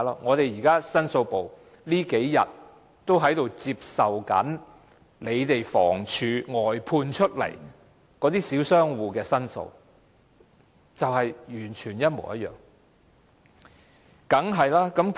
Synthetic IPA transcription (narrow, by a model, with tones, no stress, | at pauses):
lɔ̰˥ŋɔː˨˧t̪e˨jiː˨˩kaː˥sɐ˥nso˧wpo˨w | liː˥ke˨˥jjɐ̰˨˩t̚ | t̪o˥wɦɐ˨˥jt̪o˨wt͡siː˧p̚sɐ˨wkɐ̰˨˥n | le˨˧jt̪e˨jfɔ̰ː˨˩ŋt͡ʃʰyː˨˧ŋɔː˨˩jpʰuː˧nt͡ʃʰɵ˥t̚lɐ̰˨˩j | kɔː˨˥t̪iː˥siː˨˥wsœː˥ŋwuː˨˧kɛː˧sɐ˥nso̰˧w | t͡sɐ˨whɐ˨jjyː˨˩nt͡ʃʰyː˨˩njɐ˥t̚mo˨˩wjɐ̰˦t̚jœ̰ː˨˩ŋ | kɐ˨˥ŋɦɐ˨jlaː˥kɐ˨˥mk